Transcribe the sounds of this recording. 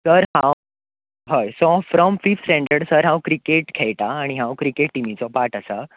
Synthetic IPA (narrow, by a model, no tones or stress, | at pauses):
səɾɦãw | ɦəjsɔfɾɔmfifsʈɛ̃ɳɖəɾɖsəɾɦãwkɾikeʈkʰɛɭʈ̪aːɽ̃iɦãwkɾikeʈːimit͡sɔpaʈəsə